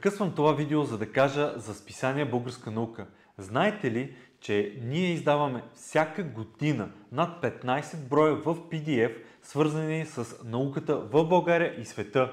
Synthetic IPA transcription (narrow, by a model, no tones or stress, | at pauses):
pkɤsvəmt̪ovavid̪ɛozɐd̪ɐkaʒəzɐspi̥saniɛbɤlˠɡəɾskənɐukə | znaɛt̪ɛlit͡ʃɛniɛizd̪avəmɛfsʲakəɡod̪inənat̪̚pɛt̪najsɛd̪̚bɾɔjəvəfpid̪iɛf | svɤɾzənisəsnɐukət̪əvəvbɐɡaɾʲjəʔisvɛt̪ɤ